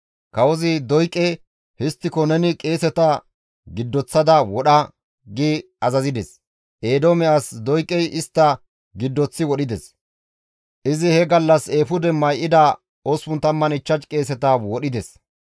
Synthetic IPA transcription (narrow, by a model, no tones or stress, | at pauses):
kɐwɔzɪd̪ɔjkʼːɛ | hɪst̪ːɪkɔnɛnɪkʼe̞ːsɛt̪ɐ | ɡɪd̪ːɔt͡sːɐd̪ɐwɔɗɐ | ɡiː | ɐzɐzɪd̪ɛs | ʔe̞ːd̪omɛʔɐsd̪ɔjkʼːɛjɪst̪ːɐ | ɡɪd̪ːɔt͡sːɪwɔɗɪd̪ɛs | ʔɪzɪhɛɡɐlːɐseːfʊd̪ɛmɐjʔɪd̪ɐ | oswʊnt̪ɐmːɐnɪt͡ʃːɐt͡ʃkʼe̞ːsɛt̪ɐwɔɗɪd̪ɛs